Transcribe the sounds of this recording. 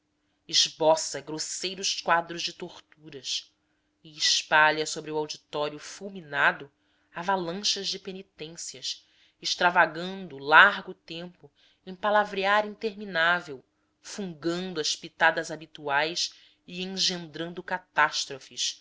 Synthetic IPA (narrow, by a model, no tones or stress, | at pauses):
ɪʒbɔsɐɡɾosejɾʊʃkwad̪ɾʊzd͡ʒɪt̪oɾt̪uɾɐs | iɪʃpaʎɐsobɾɪuawd͡ʒit̪ɔɾiʊfulminad̪ʊ | avalɐ̃ʃɐzd͡ʒɪpenit̪ẽsiɐs | ɪʃt̪ɾavaɡɐ̃nd̪ʊlaɾɡʊt̪ẽmpʊ | ẽj̃palavɾiaɾĩnt̪eɾminavew | fũŋɡɐ̃nd̪ʊɐʃpit̪ad̪ɐzabit̪uajs | iẽŋ̃ʒẽnd̪ɾɐ̃nd̪ʊkat̪aʃt̪ɾofɪs